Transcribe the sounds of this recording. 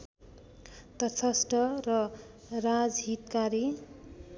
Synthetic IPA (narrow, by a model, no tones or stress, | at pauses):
t̪ʌt͡sʰʌsʈʌrʌ | rad͡zɦit̪kaɾi